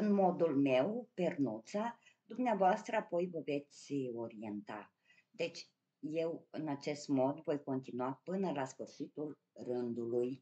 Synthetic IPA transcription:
ɨnmo̞d̪ulme̞wpernut̪sa | d̪umneavoast̪ɾəapo̞jvəve̞t̪sʲo̞ɾie̞nt̪a̰ | d̪e̞t͡ʃʲ | je̞wɨnat͡ʃe̞st̪mo̞d̪vo̞jko̞nt̪inuapɨnəlasfɨrʃit̪ul | rɨnd̪uluj

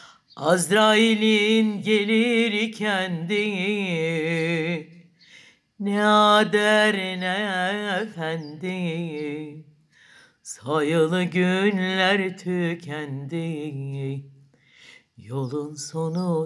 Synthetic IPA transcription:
azɾailʲinɟeliɾicʰænd̪i | nɛɑd̪æɾinɛefænd̪i | sajɯlˠɯɟynllʲæɾt̪ʰycʰɛnd̪i | jo̞lˠunsonu

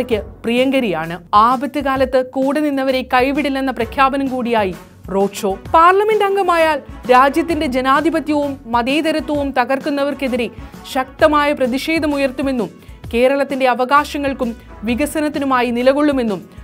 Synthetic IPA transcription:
ɐkʲːɨprijɐŋɡɐɾijaːɳɨaːbɐt̪ːjɨɣaːlɐt̪ːɨkuːɽɐninːɐʋɐɾe̞kɐjʋiɽilːenːɐprɐkʰjaːbɐnɐmkuːɽijaːji | ro̞ːʈʂo̞ːpaːrlɐme̞ndɐŋɡɐmaːjaːlɾaːd͡ʑjɐt̪ːinde̞d͡ʑenaːd̪ʱibɐt̪jɐʋumːɐd̪eːd̪ɐɾɐt̪ːwɐʋumt̪ɐɣɐrkunːɐʋɐrke̞ðiɾeɕɐk̚t̪ɐmaːjɐprɐðiʂe̞ːd̪ʱɐmujɐrt̪ːume̞nːum | ke̞ːɾɐɭɐt̪ːinde̞ɐʋɐɣaːɕɐŋːɐɭkum | ʋiɣɐsɐnɐt̪ːinumaːjinilɐɣo̞ɭːume̞nːum

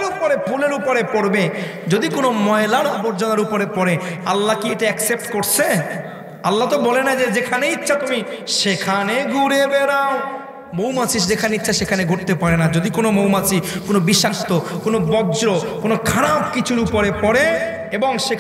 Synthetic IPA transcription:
ɾupoɾepʰuleɾupoɾepoɾbed͡ʑod̪ikonomɔelaɾɔboɾd͡ʑonaɾupoɾepɔɾealːakieʈeɛksep̚ʈkoɾt͡ɕʰe | alːat̪obɔlenad͡ʑed͡ʑekʰaneitːɕʰat̪umiʃekʰaneɡuɾebeɾao | mowmasiʃd͡ʑekʰaneitːʃʰaʃekʰaneɡʱoɾt̪epaɾenad͡ʑod̪ikonomowmasʰikonobiʃaʃt̪okonobɔd͡ʑɾokonokʰaɽabkit͡ɕʰuɾupoɾepɔɾe | eboŋʃek

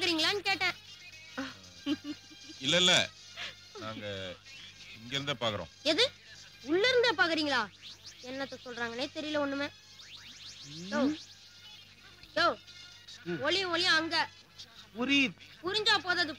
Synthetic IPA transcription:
paːkɯɾiːŋɡɐɭaːnkeːʈːɛ̃ː | ɪlːɐɪlːɐ | naːŋɡɐ | ɪŋɡɛɾɯnd̪eːpaːkɐɾõ̰ːɛðɯ | ʊɭːɐɾɯnd̪epaːkɯɾiːŋɡɐɭaːɛnːɐt̪ːɐsɔlɾaːŋɡɐneːt̪ɛɾɪjɪlɐɔnːɯmeː | oː | joː | ɔɭɪjʊ̃ɔlɪjãɐŋɡɐ | pʊɾiɾpʊɾɪɲd͡ʒaːpoːðɐɐðɯ

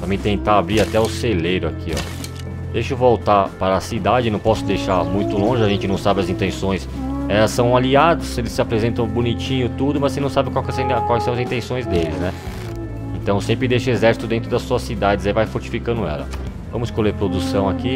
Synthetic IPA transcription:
t̪ɐmẽt̪ẽt̪aːbɾiɾat̪ɛʊselejɾʊakʰiɔ̰ | d̪ejʃʊvowt̪apaɾɐsid̪ad͡ʒɪnɐ̃w̃pɔsʊd̪ejʃamũj̃t̪ʊlõʒɪaʒẽnt͡ʃɪnɐ̃w̃sabɪɐzĩnt̪ẽsõj̃s | ɛlɐsːɐ̃w̃aliad̪ʊselɪsɪapɾezẽnt̪ɐ̃w̃bunit͡ʃĩɲʊt̪ud̪ʊmɐzsenɐ̃w̃sabɪkwawkɛskwajsɐ̃w̃ɐzĩnt̪ẽsõj̃zd̪elɪnɛ | ẽnt̪ɐ̃w̃sẽmpɾɪd̪ejʃʊezɛɾsi̥t̪ʊd̪ẽnt̪ɾʊd̪ɐsuɐsid̪ad͡ʒɪzaivajfoɾt͡ʃi̥fikɐ̃nd̪ʊɛ̰lɐ̰ | vɐ̃mʊzɪskoleɾpɾod̪usɐ̃w̃aki

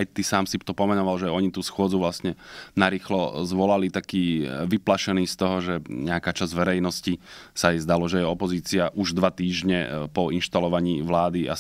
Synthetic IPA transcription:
ajt̪isaːmsit̪ɔpɔmɛnɔʋalʒɛɔɲit̪uːsxʊɔd͡zuʋlasɲɛnaɾiːxlɔzʋɔlalit̪akiːʋiplaʃɛniːst̪ɔɦɔʒɛɲɛakaːt͡ʃazʋɛɾɛjnɔscisaɛzd̪alɔʒɛjɛɔpɔziːt͡siaʔuʒd̪ʋat̪iːʒɲɛpɔinʃt̪alɔʋaɲiːʋlaːd̪ia

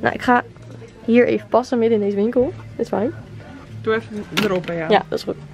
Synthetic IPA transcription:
na̰wʔɪ̰kχaː | ɦiːɹʔḛjvəpɑsəmɪdɪndejzəʋɪŋkəlˠd̥ɪtsfajn | d̥uɛfəɾopajajadɑtsχut

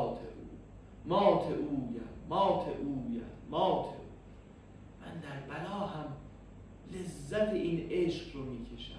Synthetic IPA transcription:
t̪ʰeʔuː | mɒːt̪ʰeʔuːjæ̰mɒːt̪ʰeʔuːjæ̰mɒːt̪ʰeuː | mæ̰nd̪æɾbælɒːɦæm | le̞zːæt̪ʰeʔiːneʃqɾomiːcʰe̞ʃæ̰m

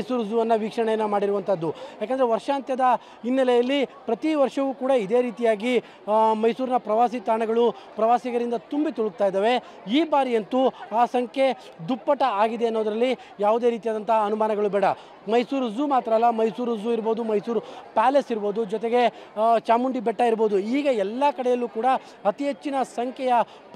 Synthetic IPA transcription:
jsuːɾzuːʋɐnːɐʋiːkʂɐɳɛjɐnːɐmaːɽiɾuʋɐnt̪ʰɐd̪ːujaːkend̪ɐɾʋɐɾʂaːnt̪jɐd̪ɐ | inːɛlɛjɐlːipɾɐt̪iʋɐɾʂɐʋuːkuːɽɐid̪e̞ːɾiːt̪ijaːɡi | mɐjsuːɾinɐpɾɐʋaːsit̪aːɳɐɡɐɭu | pɾɐʋaːsiɡɐɾind̪ɐt̪umbit̪uɭuɡ̚t̪aːjd̪aːʋe̞ | iːbaːɾijɐnt̪uaːsɐŋkʰje̞ | d̪upːɐʈɐaːɡid̪e̞ɐnːoːd̪ɐɾɐlːi | jaːʋud̪e̞ːɾiːt̪ijaːd̪ɐnt̪ɐɦɐnumaːnɐɡɐɭubɛːɽɐ | mɐjsuːɾzumaːt̪ɾɐlːɐmɐjsuːɾzuiɾboːd̪umɐjsuːɾpaːlesiɾbo̞ːd̪ud͡ʒɔt̪eɡe̞t͡ʃaːmuɳɖibɛʈːaiɾbo̞ːd̪uiːɡɐɛlːɐkɐɽɛjɐlːuːkuːɽɐ | ɐt̪iɦet͡ʃːinɐsɐŋkʰjɛjɐ

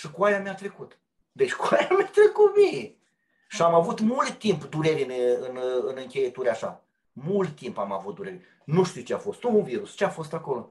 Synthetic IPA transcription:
ʃɨkuajameat̪ɾe̞kut̪ | d̪e̞t͡ʃʲkuajameat̪ɾe̞kut̪mine | ʃiamavut̪mult̪t̪ːimpd̪uɾe̞ɾinɨnɨnɨŋkʲejet̪uɾʲeaʃa̰ | mult̪t̪ːimpama̰vut̪̚d̪uɾe̞ɾʲ | nuʃt̪iwt͡ʃeafo̞st̪unviɾust͡ʃeafo̞st̪ako̞lo̞

